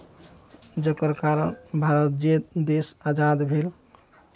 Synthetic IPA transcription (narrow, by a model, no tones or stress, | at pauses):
d͡ʒəkəɾkaɾənbʱaɾət̪̚d͡ʒed̪esad͡ʒad̪bʱel